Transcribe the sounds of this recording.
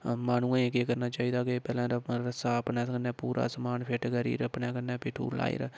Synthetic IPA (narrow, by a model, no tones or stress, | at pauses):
maːnũːãekeːkəɾnaːt͡ʃaːiːd̪aːkepɛːlãːɾəsaːəpnaːkənːɛːpuːɾʔa̰ːsəmaːnpʰeːʈɡəɾḭːɾəpneːkənːɛːpɪːʈʰṵːla̰ːḭɾ